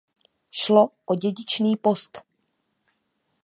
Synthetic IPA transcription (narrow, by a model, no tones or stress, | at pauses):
ʃloʔoɟɛɟɪt͡ʃniːpo̞st̪